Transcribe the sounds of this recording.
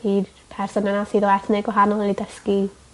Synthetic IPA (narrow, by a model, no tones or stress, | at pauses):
iːd | pʰɛrsɔnanasiːðɔɛθneɡwaɦanɔlˠlidəski